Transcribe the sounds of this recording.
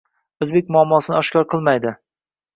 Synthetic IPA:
ɵzbek̚ʲmʊɒmːɒsɪnɪɒʃkʲɒɾqʰɨlˠmajd̪ɪ

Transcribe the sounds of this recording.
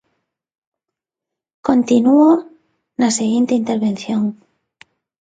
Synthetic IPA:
kont̪inuo | naseɣint̪eint̪eɾβẽnθjoŋ

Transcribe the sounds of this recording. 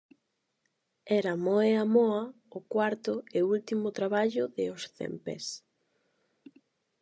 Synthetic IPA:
ɛɾamoeamɔɐ | ʊkwaɾt̪ʊɪult̪imʊt̪ɾaβ̞aʎʊðɪosθḛmpḛs

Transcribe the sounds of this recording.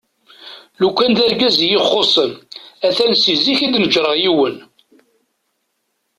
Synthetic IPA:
lukʷːænd̪æɾɡæzjiχːosˤəmæθælsiziçid̪nəʒɾəʁjiwən

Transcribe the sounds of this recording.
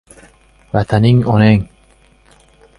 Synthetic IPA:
vat̪ʰaniŋɔneŋ

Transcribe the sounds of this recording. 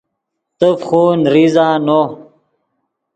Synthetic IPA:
t̪əfχuːnɾizaːno

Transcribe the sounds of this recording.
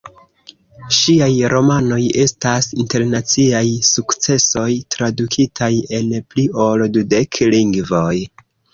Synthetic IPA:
ʃiajɾʔo̞mano̞je̞stasinte̞ɾnat͡siajsukt͡se̞so̞jtɾadukʰitʰaje̞nplio̞ldude̞kʰliŋɡvo̞j

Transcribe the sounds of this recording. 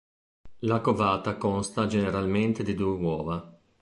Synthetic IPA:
lakovaːt̪akonst̪ad͡ʒeneɾalment̪ed̪id̪uːewɔːva

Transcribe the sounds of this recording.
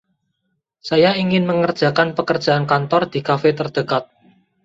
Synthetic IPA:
sajaiŋɪnməŋər̥ʒ̥a̤kanpəkərd͡ʒ̥a̤ankant̪ɔrd̪̥i̤kafet̪ərd̥əkat̪̚

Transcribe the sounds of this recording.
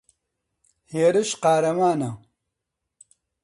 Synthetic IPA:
heːɾuɕqaːɾɐmaːnɐ

